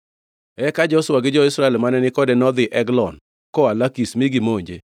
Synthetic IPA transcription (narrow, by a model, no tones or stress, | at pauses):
ɛkad͡ʒɔswaɡɪd͡ʒɔɪsɾaɛlmanɛnɪkɔdɛnɔd̪ɪʔɛɡlɔn | kɔalakismiɡɪmoɲd͡ʒḛ